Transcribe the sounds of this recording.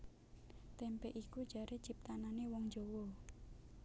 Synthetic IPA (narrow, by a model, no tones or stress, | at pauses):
t̪ɛmpɛʔiku̥d͡ʒa̤ɾet͡ʃip̚t̪ananewɔŋd͡ʒowɔ